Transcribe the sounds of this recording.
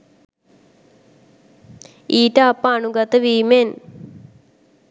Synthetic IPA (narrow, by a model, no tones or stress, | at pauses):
iːʈɐːpːaːɳuɡɐt̪ɐʋiːmen